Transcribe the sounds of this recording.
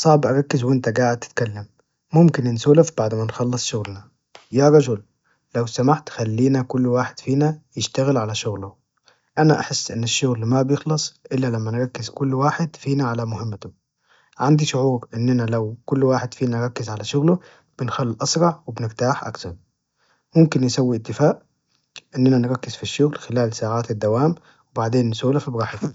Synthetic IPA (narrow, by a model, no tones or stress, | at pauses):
sˤɑʕbʔɑɾˤɑkːɪzwɪnt̪aɡaːʕɪd̪̚t̪ɪ̥t̪kalːamː | ʊmkɪnɪnsuːlafbaʕd̪manxɑlːɨsˤʃʊɣlna | jaɾˤɑd͡ʒʊl | lawsamaħt̪xalːiːnakʊlːwaːħɪd̪̥fiːnajɪʃt̪aɣɪlʕalaʃʊɣlʊ | ʔanaʔa̰ħɪsːʔɪnːɪʃːʊɣlmabjɪxlɑsˤʔɪlːalamːænɾˤɑkːɪzkʊlːwaːħɪd̪fiːnaʕalamʊhɪmːt̪ʊ | ʕand̪iʃʊʕuːɾʔɪnːɪnælawkʊlːwaːħɪd̪fiːnanɾˤɑkːɪzʕalæʃʊɣlʊ | b̥ɪnxælːiʔɑsˤɾˤɑʕwɪbnɪɾt̪aːħʔa̰kθɑɾˤ | mʊmkɪnjɪsawːiʔɪt̪ːɪfaːʔ | ʔɪnːɪnanɾˤɑkːɪzfiʃːʊɣlxɪlaːlsaːʕaːt̪ɪd̪ːawaːm | wɪbaʕd̪eːnːsuːlafibɾɑːħɪf